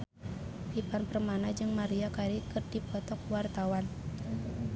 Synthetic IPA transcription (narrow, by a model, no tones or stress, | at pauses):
pipanpərmanad͡ʒɨŋmaɾiakaɾikɨrdipɔt̪ɔkwart̪awan